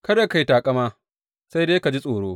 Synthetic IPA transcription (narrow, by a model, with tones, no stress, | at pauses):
kɐ˦da˦ka˨jtaː˨kʼɐ˦maː˦ | sa˦jdeː˦ka˨d͡ʒi˦sʼoː˨ɽoː˦